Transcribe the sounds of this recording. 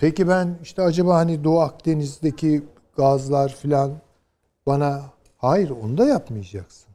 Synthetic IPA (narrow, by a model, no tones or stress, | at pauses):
pʰecibæniʃt̪ʰɛad͡ʒabaːhanid̪oak̚d̪e̞nizd̪ecʰi | ɡ̥azlˠaɾfilʲan | bana | hajiɾo̞̰nud̪ajapmɯjad͡ʒaksɯ̥n